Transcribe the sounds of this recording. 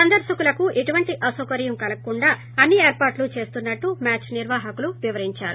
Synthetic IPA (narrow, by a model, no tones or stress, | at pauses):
sɐnd̪ɐɾʃɐkulɐkuʔeʈuʋɐɳʈiʔɐsokɐɾjɐmkɐlɐkːuɳɖaː | ɐnːieːɾpaːɾʈlut͡ʃe̞ːst̪unːɐʈːumaːt͡ʃniɾʋaːɦɐkuluʋiʋɐɾiɲt͡ʃaːɾṵ